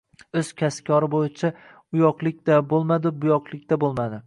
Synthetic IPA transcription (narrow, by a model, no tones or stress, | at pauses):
ɵz̥kʲʰaskʰʲɒɾɪbojɪt͡ʃʰa | ʊjɒqlˠɪkʲd̪abolˠmad̪ɪbʊjɒqʰlˠɪk̚ʲt̪abolˠmad̪ɪ